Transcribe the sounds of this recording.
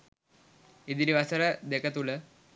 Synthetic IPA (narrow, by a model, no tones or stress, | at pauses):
id̪iniʋɐsɐɾɐd̪ekʰɐt̪ulə